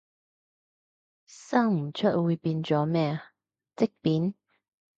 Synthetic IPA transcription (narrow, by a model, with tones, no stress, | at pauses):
sɐ˥ŋm̩˨˩t͡ʃʰɵ˥t̚wuː˨˧jpiː˧nt͡sɔː˨˥mɛː˥ | t͡sɪ˥k̚piː˨˥n